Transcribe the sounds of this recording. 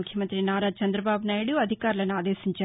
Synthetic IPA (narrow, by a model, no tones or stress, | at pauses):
ukʰjɐmɐnt̪ɾinaːɾaːt͡ʃɐnd̪ɾɐbaːbunaːjɽuɐd̪ʱikaːɾlɐnuaːd̪eːsiɲt͡ʃaː